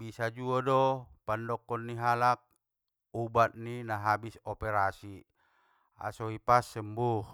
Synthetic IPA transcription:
bisad͡ʒuɔdɔpandɔkːɔnːiɦalak̚ | ubat̪̚ninaɦabisɔpɛɾasi | a̰sɔipasːɛmbuh

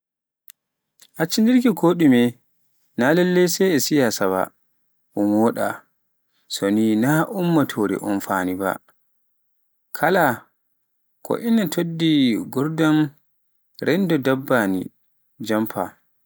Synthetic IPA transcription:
ʔat͡ʃːindiɾkikoːɗimɛ | nalɛlːɛjsɛɛsijasaba̰ | ʔumwɔːɗa̰ | soninaʔumːatʰoɾɛ̰ʔɔnfaniba̰ | kʰala | kʰɔ̰ʔinːatʰodːiɡɔɾdam | ɾɛndɔdabːanḭ | d͡ʒampʰa̰

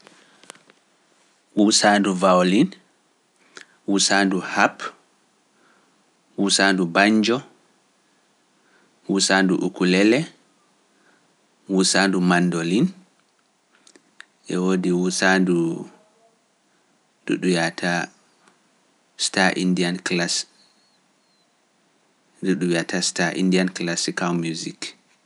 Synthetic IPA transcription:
wusanduvawlin | wusaːnduhap | wusaːndubaɲd͡ʒɔ | wusanduʔukulɛlɛ | wusaːndumandolin | ʔɛwodiwusandu | dṵɗujatʰa | staʔindianklas | duɗujatʰastaʔḭndianklasikalmjuzik

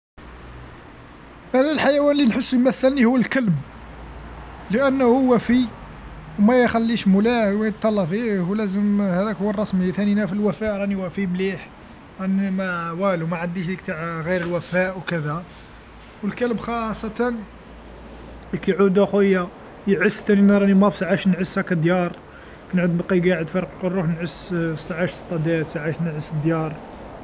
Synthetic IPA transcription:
ʔænælħajæwænlːinħəsːjmæθːəlnihʊwːəlkəlb | ləʔənːhuʊwæfi | wmæjxælːiʃmulæwæjt̪ˤːɑlːɑfihulæzəmhæd̪ækhʊwːərˤːɑsməjt̪æninæfilwæfæʔɾˤɑniwæfimliħ | ɾˤɑnimæwælumæʕənd̪iʃd̪ik̚t̪aʕɣiɾəlwæfæʔwkəd̪æ | wəlkæləbxɑsˤːɑt̪ɑn | kæjʕud̪uxujːæ | jəʕəst̪ːæninæɾˤɑnimæfsaʕaʃnʕəshækæd̪jɑɾˤ | kænʕud̪bɑqiɡaʕəd̪fɑɾˤqqorˤːuħnʕəssaʕaʃst̪ˤɑd̪æt̪saʕaʃnəʕəsːəd̪jɑɾˤ

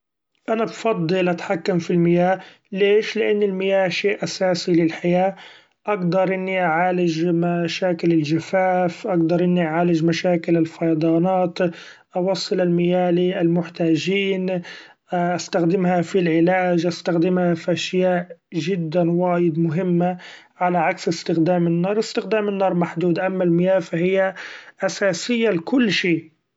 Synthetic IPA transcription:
ʔanabfɑd̪ˤːɨlʔat̪ħakːamfilmɪjaː | leːʃlɪʔanːɪlmɪjaːhʃeːʔʔasaːsilɪlħajaː | ʔaɡd̪ɑɾˤʔɪnːiʔaʕaːlɪd͡ʒmaʃaːkɪlɪlʒafaːfʔaɡd̪ɑɾˤʔɪnːiʔaʕaːlɪd͡ʒmaʃaːkɪlɪlfɑjd̪ˤɑːnɑːt̪ | ʔɑwɑsˤːɨlalmɪjaːliʔalmʊħt̪aːʒiːn | ʔast̪axd̪ɪmhafilʕɪlaːʒʔast̪axd̪ɪmhafiʔaʃjaːʔʒɪd̪ːanwaːjɪd̪mʊɦɪmːa | ʕalaʕaksɪst̪ɪxd̪aːmɪnːɑːɾˤɪst̪ɪxd̪aːmɪnːɑːɾˤmaħd̪uːd̪ʔamːalmɪjaːlfahɪjːaʔasaːsɪjːalkʊlːʃiː

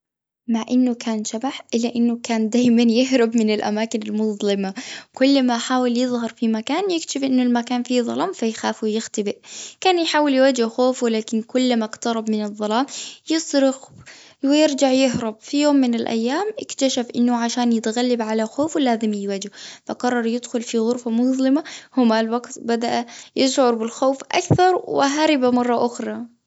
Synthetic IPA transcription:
maʕʔɪnːʊkʰaːnʃabaħʔɪlːaʔɪnːʊkaːnd̪aːjmanjɪɦɾʊbmɪnɪlʔa̰maːkɪnɪlmʊðˤlɪmakʊlːmaħaːwɪljɨðˤhɑɾˤfimakaːnjɪkʃɪfʔɪnːʊlmakaːnfiðˤɑ̰lɑːmfajxaːfwɪjɪxt̪abɪʔkaːnjħaːwɪljwad͡ʒʊxoːflaːkɪnkʊlːmakt̪ɑɾˤɑbmɪnɨðˤːɑlɑːmjɪsˤɾɪx | wɪjɪɾd͡ʒaʕjɪɦɾˤɑb̚fijoːmːɪnɪlʔa̰jːaːmʔɪkt̪aʃafʔɪnːʊʕaʃaːnjɪt̪ɣalːabʕalaxoːfwlaːzɪmɪjwad͡ʒʊfaqɑrˤːɑɾˤjɪd̪xʊlfiɣʊɾfamʊzˤlɪmahʊmalwaɡt̪bad̪aʔajɪʃʕʊɾˤbɪlxoːfʔa̰kθɑɾˤwɪ̰ɦaɾɪbamɑrˤːɑʔʊxɾˤɑ

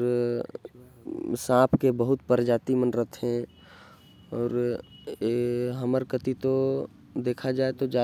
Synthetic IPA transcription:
ɾ | sãːpʰkebəɦʊt̪pəɾd͡ʒaːt̪imənɾət̪ʰɦɛ̃ | ɔːɾ | ɦəməɾkət̪it̪o | d̪eːkʰad͡ʒaːet̪od͡ʒa

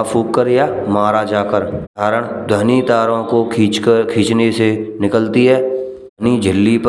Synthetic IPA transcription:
puːkːəɾjamaːɾad͡ʒaːkəɾaːɾəɽ̃d̪ʱəɦnit̪aːɾõkot͡ʃkʰiːt͡ʃnesenɪkəlt̪iɦɛː | nid͡ʒʱɪlːip

